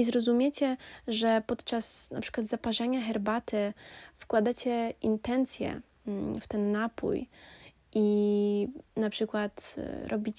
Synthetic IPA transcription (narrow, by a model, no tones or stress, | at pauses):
izɾɔzumʲjɛt͡ɕɛʐɛpɔt̪t͡ʂasna̰pʂɘkwad̪zapaʐɛɲaxɛɾbat̪ɘfkwad̪at͡ɕɛint̪ɛnt̪sʲjɛ̰ | ft̪ɛnːapṵj | ʔi | napʂɘkwat̪ɾʔɔbʲit͡ɕ